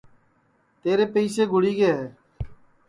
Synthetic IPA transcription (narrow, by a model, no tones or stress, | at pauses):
t̪eːɾeːpəiːseːɡʱʊɽiːɡeːɦɛː